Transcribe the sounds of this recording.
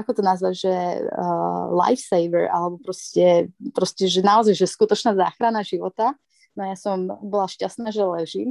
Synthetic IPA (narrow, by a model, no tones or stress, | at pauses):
ʔakɔt̪ɔnazʋaɟʒɛ | la̰jfsɛjʋɛɾa̰lɛbɔpɾɔscɛpɾɔscɛʒɛnaɔzajʒɛskut̪ɔt͡ʃnaːza̰ːxɾanaʒiʋɔt̪a | nɔajasɔmbɔlaʃcast̪naːʒɛlɛʒiːm